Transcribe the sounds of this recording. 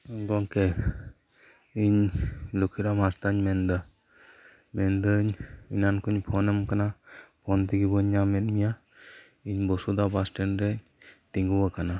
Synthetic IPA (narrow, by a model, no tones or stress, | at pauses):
ɯŋɡɔŋke | iɲlukʰiɾamast̪aɲmend̪ɯ | mend̪ɯɲinankɯɲpʰɔnɯmkanapʰɔnt̪ʰiɡibɔɲːamet̪̚mija | iɲbɔsud̪abasʈenɾe | t̪iŋɡɯwakʰana